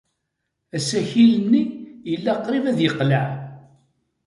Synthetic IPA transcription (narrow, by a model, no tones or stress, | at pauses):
æsæçilənːijəlːæqɾivæðjəqːləʕ